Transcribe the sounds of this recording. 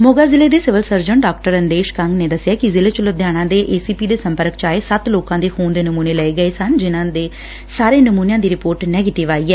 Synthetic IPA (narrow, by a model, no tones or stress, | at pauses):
moːɡaːzɪleːd̪eːsɪʋəlsəɾd͡ʒəɳɖaːkʈəɾənd̪eːʃkəŋɡneːd̪əsːɪjaːkɪzɪleːt͡ʃʊləd̪ʱjaːɽ̃ãːd̪eːʔeːsiːpiːd̪eːsəmpəɾəkt͡ʃaːeːsət̪loːkãːd̪eːkʰuːnd̪eːnəmuːneːləeːɡəeːsənd͡ʒɪnãːd̪eː | saːɾeːnəmuːnjãːd̪iːɾɪpoːɾʈnɛːɡeːʈɪʋaːiːɛː